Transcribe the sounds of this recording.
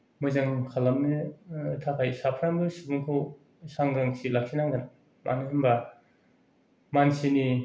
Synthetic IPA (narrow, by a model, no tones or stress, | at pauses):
mɯzaŋkʰalːamnɯtʰakʰajsapʰɾaŋbɯsibuŋkʰaw | saŋɡaŋsilak̚sinaŋɡɯn | mʔa̰nɯhimba | mansini